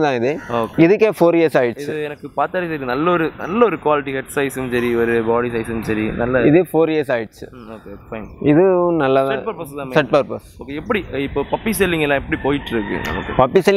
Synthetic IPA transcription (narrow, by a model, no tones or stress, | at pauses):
t̪ãːɪðɯoːkɪðɯkːefoːɾeːsaːjɪʈt͡ʃːɯɛnɐkːɯpaːɾt̪aːɽisɐɾinɐlːɐɔɾɯnɐ̰lːɐɔɾɯkʊʋaːlɪʈ̬ːikɛʈsɐɪsɯmsɐɾiɔɾɯbaːɽisɐɪsɯmsɐɾinɐlːɐɪðeːfoːɾjeːsaːjɪʈt͡ʃːɯ | oːkːekfɐɪŋɪðɯnɐlːað̃ʈpɐɾpɐst̪ãːmsɛʈːpɐɾpɐsoːkːeɛpːɐɽiɪpːoːpɐpːis̬ɛlːɪŋɡɐlːãːɛpːɐɽipoːjɪʈːɪɾɯkːɯ̰̃ɐ̰mɐ̰kːɯ̰pɐpːisɛlː